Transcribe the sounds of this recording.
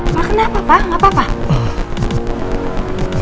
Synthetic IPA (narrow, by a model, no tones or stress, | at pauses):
makənapapaŋabapa